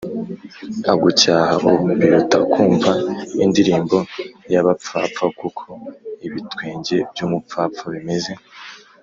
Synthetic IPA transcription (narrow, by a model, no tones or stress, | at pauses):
aɡucaːhaʔuubiɾutakʰuːɱvaindiɾiːmbo̞jaβap͡fa̰ːp͡fakukʰo̞iβitwiːɲɟe̞bjuːmup͡faːpp͡faβime̞ze̞